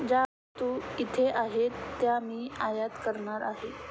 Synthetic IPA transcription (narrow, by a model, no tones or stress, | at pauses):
d͡ʑa | t̪uit̪ʰeʔaɦet̪ːjamiːajat̪kəɾɳaɾaɦe